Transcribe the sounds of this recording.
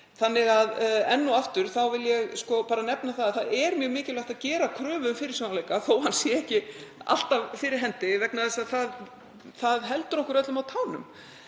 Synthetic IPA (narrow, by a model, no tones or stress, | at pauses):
θanːɪɣaðɛnːuaft̪ʏɾ̥θawvɪljɛɣskɔpaːɾanɛpnaθaðaθaðɛɾmjœːɣmɪːcɪlaht̪aðcɛːɾakʰɾœːvʏmfɪɾɪ̥ɾsonaleːjkaθowhanːsjɛɛhcɪa̰l̥t̪avfɪɾɪɾ̥ɦɛnt̪ɪvɛknaðɛsaðθað | θaðɦɛlt̪ʏɾɔhkʏɾɛt̪lʏmawt̪ʰaːwnʏ̰m